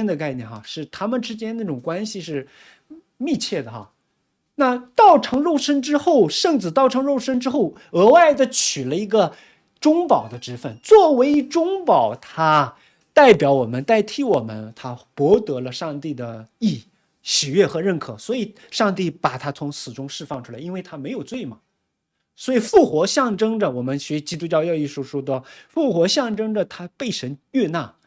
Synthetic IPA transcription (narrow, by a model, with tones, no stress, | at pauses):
nd̪ə˨˧ka˥˧ɪnjɛ̰˥˩nɑ˥˩ʂɻ̩˥˩t̪ʰa˥mə˨nʈ͡ʂɻ̩˥t͡ɕjɛ˥nna˥˩ʈ͡ʂʊ˨˩ŋkwa˥nɕi˨˧ʂɻ̩˥˧ | mi˥˧t͡ɕʰjɛ˥˩d̪ə˩xɑ̰˥˩ | na˥˧t̪ɑ˥˩ʊʈ͡ʂʰɤ˧˥ŋɻo˥˩ʊʂə˥ŋʈ͡ʂɻ̩˥xo˥˩ʊʂɤ˥˩ŋt͡sɹ̩˨˩t̪ɑ˥˩ʊʈ͡ʂʰɤ˧˥ŋɻo˥˩ʊʂə˥ŋʈ͡ʂɻ̩˥xo˥˩ʊ | ɤ˧˥wa˥˩ɪd̪ə˩t͡ɕʰy˨˩lə˦i˧˥ɡə˧ | ʈ͡ʂʊ˥ŋpɑ˨˩ʊd̪ə˦ʈ͡ʂɻ̩˥fə˧˩nt͡swɔ˥˩we˧˥ɪi˧˥ʈ͡ʂʊ˥ŋpɑ˨˩˦ʊt̪ʰa˥ | t̪a˥˩ɪpjɑ˧˥ʊwɔ˨˩mə˦nt̪a˥˩ɪt̪ʰi˧˥wɔ˨˩mə̰˦nt̪ʰa˥pwɔ˧˥t̪ɤ˧˥lə˧ʂɑ˥˧ŋt̪i˥˩d̪ə˩i˥˩ | ɕi˨˩ɥɛ˥˩xɤ˧˥ɻə˥˩nkʰɤ˨˩swɔ˧˥i˨˩˦ | ʂɑ˥˧ŋt̪̬i˥˩pa˨˩t̪ʰa˥t͡sʰʊ˧˥ŋsʰɹ̩˨˩ʈ͡ʂʊ˥ŋʂɻ̩˥˧fɑ˥˩ŋʈ͡ʂʰu˥la˧˥ɪi˥nwe˥˩ɪt̪ʰa˥me˧˥ɪjo˨˩ʊt͡swe˥˩ɪmɐ˨˩ | swɔ˧˥i˨˩fu˥˩xwɔ˧˥ɕjɑ˥˩ŋʈ͡ʂɤ˥ŋdə˨wɔ˨˩mə˦nɕɛ˧˥˧t͡ɕi˥t̪̬u˥t͡ɕjɑ˥˧ʊjɑ˥˧ʊi˥˧ʂu˥˩ʂɔ˥d̪ə˨fu˥˩xwɔ˧˥ɕjɑ˥˩ŋʈ͡ʂɤ˥ŋdə˨t̪ʰa˥pe˥˩ɪʂə˧˥nɛ˥˧na̰˥˩